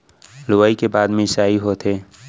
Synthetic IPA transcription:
lʊʋaːikebaːd̪mẽsaːiɦot̪ʰeː

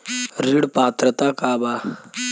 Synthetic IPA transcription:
ɾiɽpaːt̪ɾət̪akaːba

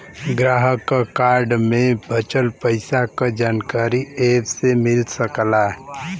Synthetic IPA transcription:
ɡɾaːɦəkkaːɾɖmẽbʱət͡ʃəlpəɪsakad͡ʒaːnkaːɾieːbsemɪlsəkla

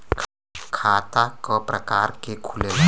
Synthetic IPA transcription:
kʰaːt̪akɔpɾakaːɾkekʰule

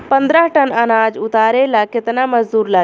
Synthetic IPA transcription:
pənd̪ɾəɦʈənənad͡ʒut̪aɾelaket̪naməd͡ʒd̪uɾla

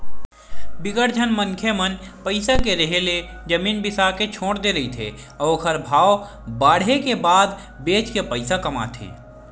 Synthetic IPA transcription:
bɪkəɾt͡ʃʰənməŋkʰemənpəɪsakeɾəɦele | d͡ʒəmiːnbɪsaket͡ʃʰoːɽd̪eɾɐit̪ʰḛ | ɔkʰəɾbʱaːo | baːɽɦekebaːd̪ | beːt͡ʃkepəɪsakɐma̰t̪ʰḛː

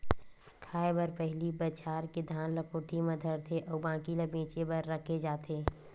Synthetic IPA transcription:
kʰaːebəɾpɛɦlibət͡ʃʰaːɾked̪ʱaːnləkoːʈʰimɐ̃d̪ʱəɾt̪ʰeʔɔːbãːkiləbẽːt͡ʃebəɾːəkʰed͡ʒaːt̪ʰeː

